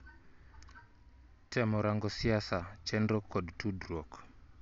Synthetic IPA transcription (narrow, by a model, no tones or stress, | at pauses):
tɛmɔɾaŋɡɔsiasat͡ʃɛndrɔkʰɔdtudɾɔk